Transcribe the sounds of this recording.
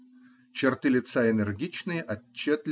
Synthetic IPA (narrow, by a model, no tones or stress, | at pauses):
t͡ɕɪrt̪ɨlʲɪt̪saɪnʲɛrɡʲit͡ɕnɨjəʔɐt͡ɕːet̪lʲ